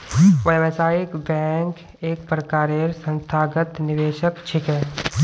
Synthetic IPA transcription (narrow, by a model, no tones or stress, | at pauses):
ʋəjʋəsaːjɪkbɛːŋk | eːkpɾəkaːɾeːɾsə̃nst̪ʰaːɡət̪nɪʋeːʃəkt͡ʃʰɪkɦɛː